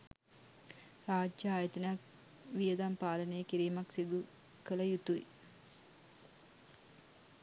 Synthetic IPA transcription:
raːd͡ʒjaaːjət̪ɐnəjak | ʋijəd̪ampaːlənəjəkiɾiːmaksid̪u | kələjut̪uj

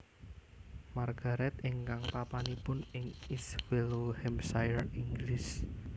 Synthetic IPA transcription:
marɡ̥aɾɛt̪eŋkaŋpapanipʊnɪŋiswelohɛmsajəriŋɡlɪs

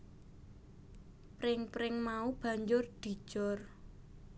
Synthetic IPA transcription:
pɾɪŋpɾɪŋmaub̥a̤ɲd͡ʒʊrd̪̥i̤̥ʒ̥ɔr

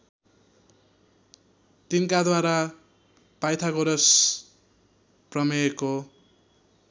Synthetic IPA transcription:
t̪inkad̪waɾa | pajt̪ʰaɡʌɾʌs | prʌmʌeko

